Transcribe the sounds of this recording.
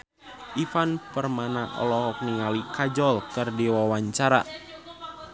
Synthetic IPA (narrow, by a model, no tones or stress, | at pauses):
ʔifanpərmanaʔɔ̰lɔɦɔk̚niŋalikad͡ʒɔlkɨrdiwawaɲt͡ʃaɾa̰